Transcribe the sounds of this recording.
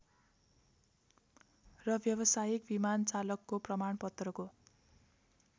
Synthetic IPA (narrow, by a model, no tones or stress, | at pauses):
rʌbʱjʌbʌsajik̚bimant͡salʌkːoprʌmaɳpʌt̪rʌko